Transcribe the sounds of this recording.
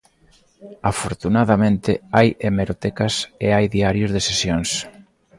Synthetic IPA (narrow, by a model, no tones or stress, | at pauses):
afoɾt̪unaðamẽnt̪ɪajemeɾot̪ɛkɐseajðiaɾjʊzðesesjoŋs